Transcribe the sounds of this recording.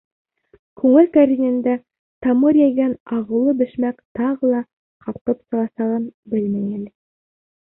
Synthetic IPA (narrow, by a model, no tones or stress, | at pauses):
kʉŋɘlkæɾʲinɘ̆nd̪æ | t̪ɑmɤɾjæjɡænɑʁɤ̆wlˠɤbɘ̆ʃmækt̪ɑʁɤlˠɑ | qɑpqɤpsɤ̆ʁɑsɑʁɤnbɘlmæjælɘ